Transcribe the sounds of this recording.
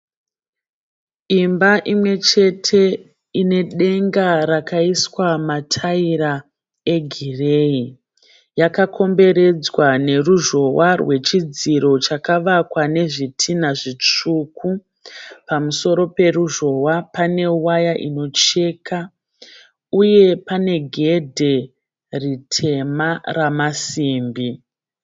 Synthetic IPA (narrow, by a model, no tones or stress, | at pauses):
imbaʔimwe̞t͡ʃe̞tʰe̞ | ine̞ɗe̞ŋɡaɾakaiswamatʰaiɾa | eɡʱire̞i | jakakʰo̞mbe̞ɾe̞d͡zwane̞ruʒo̞warwe̞t͡ʃid͡ziɾo̞t͡ʃakaʋakwane̞ʐitʰinaʐit͡ʂukʰu | pamuso̞ɾo̞pe̞ɾuʒo̞wapane̞uwajaʔino̞t͡ʃe̞ka | uje̞pane̞ɡʱe̞dʱe̞ | ritʰe̞maramasiːmbi